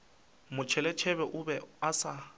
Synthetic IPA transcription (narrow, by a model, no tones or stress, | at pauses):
mʊt͡ʃʰɛlɛt͡ʃʰɛβɛʔʊbɛasa